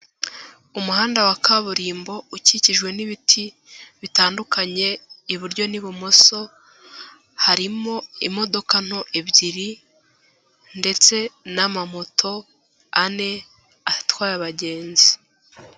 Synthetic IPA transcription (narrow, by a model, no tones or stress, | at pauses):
umuhaːndawakaβuɾiːmbo̞uciciʒɡwe̞niβitʰi | βitaːndukaɲe̞iβuɾɟo̞niβumoso̞ | haɾimo̞imo̞do̞kan̥ho̞ʔeβɟiɾi | nde̞t͡se̞namamo̞tʰo̞ | ane̞ | atwaːɾaβaɟe̞ːnzi